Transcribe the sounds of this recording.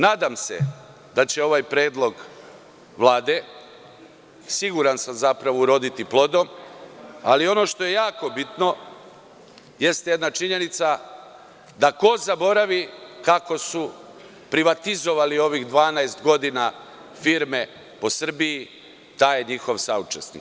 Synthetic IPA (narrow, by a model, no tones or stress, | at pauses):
naːd̪amsḛ | d̪at͡ɕe̞o̞ʋajpɾe̞ːd̪lˠo̞ɡ | ʋlˠaːd̪e̞ | siɡuɾansamzapɾaʋouɾo̞d̪it̪iplˠo̞d̪o̞m | alio̞no̞ʃt̪o̞je̞jaːko̞bit̪no̞ | je̞st̪je̞d̪nat͡ʃiɲe̞nit̪sa | d̪ako̞zabo̞ɾaʋikako̞su | pɾiʋat̪izo̞ʋalio̞ʋiɣd̪ʋaːnaest̪ɡo̞d̪inafiɾme̞ | po̞sr̩bii | t̪ajeɲixo̞ʋsaut͡ʃesnḭkk